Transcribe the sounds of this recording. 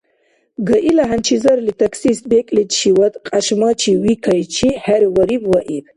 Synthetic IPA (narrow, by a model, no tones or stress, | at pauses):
ɡɐʔilaɦant͡ʃʰizɐɾlit̪ʰɐksisbekʼlid̪ʃiwɐt̪ʼqʼaʃmat͡ʃʰiwikʰajt͡ʃʰihæɾwɐɾibwaʔib